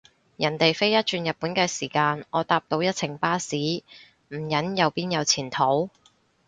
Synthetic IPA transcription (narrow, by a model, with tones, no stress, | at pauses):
jɐ˨˩nt̪e˨jfe˥jɐ˥t̚t͡ʃyː˧njɐ˨t̚puː˨˥nkɛː˧siː˨˩kaː˧nʔɔː˨˧t̪aː˧p̚t̪o˧wjɐ˥t̚t͡sʰɪ˨˩ŋpaː˥siː˨˥ | m̩˨˩jɐ˨˥njɐ˨˧wpiː˥njɐ˨˧wt͡sʰiː˨˩nt̪ʰo˨˥w